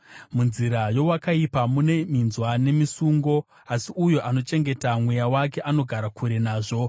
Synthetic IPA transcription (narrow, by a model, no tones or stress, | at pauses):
munziɾajo̞wakaipamune̞minzwane̞misuŋɡo̞ | asiujo̞ʔano̞t͡ʃe̞ŋɡe̞tamwejawak̬e̞ʔano̞ɡʱaɾakʰuɾe̞naːʐo̞